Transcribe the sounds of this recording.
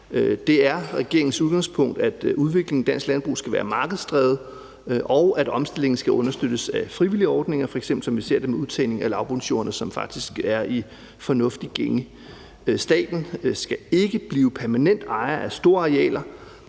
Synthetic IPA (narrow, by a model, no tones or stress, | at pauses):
ød̥e̝æɐʁɛɡ̥e̝ɐe̝ŋn̩suðˠɡ̥ɑ̈ŋspʰɔ̽ŋ̰d̥æd̥uð̞ˠʋe̝ɡ̥le̝ŋ̩d̥æn̰sɡ̥lænb̥ʁṵːsɡ̥æʋæːɐmɑ̈ːɡ̥əð̞̩ˠsd̥ʰʁɛːð̩ˠ | ʔɒ̽ʊæɾ̥ɒ̽msd̥e̝le̝ŋn̩sɡ̥æɔ̽nɐsd̥ød̥əsæfʁiʋiliəɒːd̥ne̝ŋɐfɒ̽eɡ̥semb̥l̩sɒ̽mʋise̝ɐ̰d̥e̝meuðˠt͡sʰɛ̰ɪle̝ŋælɑ̈ʊb̥ʁunɕo̝̰ːɐnəsɒ̽mfɑ̈ɡ̥̚d̥isɡ̥æɐi | fɒ̽nɔ̽fd̥iɡ̥eŋə | sd̥ɛ̰ːd̥n̩sɡ̥æe̝ɡ̥əb̥liːʊpʰæɐmænen̰d̥ɑ̈ɪɐʔæsd̥o̝ːɐɑ̈ʁɛ̰ːlɐ